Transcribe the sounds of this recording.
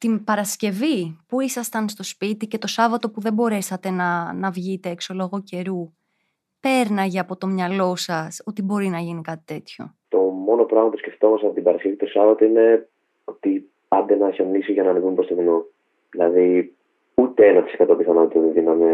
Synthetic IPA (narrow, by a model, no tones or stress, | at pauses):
t̪imbɐɾɐsce̞vipuisɐst̪ɐnst̪o̞spit̪ice̞t̪osɐvɐt̪o̞puðe̞bo̞ɾe̞sɐt̪e̞nɐnɐvʝit̪eekso̞lo̞ɣoce̞ɾu | pe̞ɾnɐʝɐɐpo̞t̪o̞mɲɐlo̞sɐso̞t̪ibo̞ɾinɐʝinikɐt̪i̥t̪e̞t̪ço̞̰ | t̪o̞mo̞no̞pɾɐɣmɐpusce̞ft̪o̞mɐsɐpot̪ibɐɾɐsce̞vit̪osɐvɐt̪oine̞ | ot̪i | pɐnd̪enɐçemnisiʝɐnɐːnivumpɾost̪ovino | ðilɐði | ut̪eenɐt̪i̥sekɐt̪o̞piθɐno̞t̪it̪eðinɐme